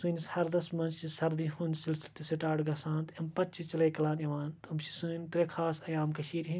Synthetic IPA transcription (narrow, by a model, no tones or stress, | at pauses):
sɨːnishɐɾd̪ɐsmɐnt͡ʃsɐɾd̪iɦũːnd̪silsilt̪iseʈaːɖɡɐsãːnt̪ɐmpɐtt͡ʃʰit͡ʃɐlɐjkɐlaːniʋaːnt̪ɐmʃi̥sɨːnʲt̪ɾekʰaːsɐjaːmkɐʃiːɾɦĩn